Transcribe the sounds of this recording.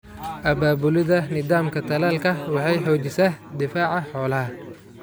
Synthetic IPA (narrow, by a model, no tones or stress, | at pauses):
ʔɐbaːbʊlɪðɐnɪðaːmkʰɐt̪ʰɐlaːlkʰɐwɑħɑjħɔːt͡ʃɪsaːd̪ɪfaːʕɑħɔːlɐɦɐ